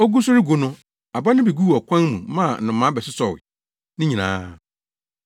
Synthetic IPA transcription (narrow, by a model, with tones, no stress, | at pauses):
ɔ˦ɡu˦sʊ˦ɾɪ˦ɡo˨nʊ̃˦ | a˨ba˦nɪ̃˦be˨ɡu˦ɔ˨kʷʰã˦nmũ˨mã˦˨nʊ̃˨mã˨˦bɛ˨sɪ˦sɔ˨wɪ̰˨ | nɪ̃˦ɲĩ˨nã̰ː˦